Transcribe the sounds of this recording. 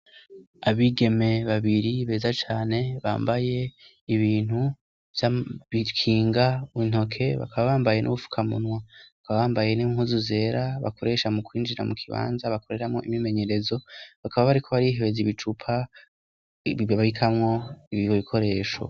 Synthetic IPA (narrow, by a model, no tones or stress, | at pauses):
aβiɡe̞me̞βaβiɾiβe̞ːzat͡ʃaːne̞βa̰ːmbaje̞ | iβiːn̥hu | vjaβikʰiːŋɡauin̥o̞kʰe̞βa̰kaβaβaːmbaje̞nʔṵβufu̥kʰamṵnwaβakaβaβaːmbaje̞niŋhuzuze̞ɾaβa̰kʰo̞ɾe̞ʃamukwiːnd͡ʒiɾa̰mukʰiβa̰ːnzaβako̞ɾe̞ɾamŋo̞̰ʔimime̞ɲe̞ɾe̞zo̞βakaβaβaɾikʰo̞βaɾiɦeβeziβit͡ʃupʰa | βaikʰamŋo̞iβiβoβikʰo̞ɾe̞ːʃo̰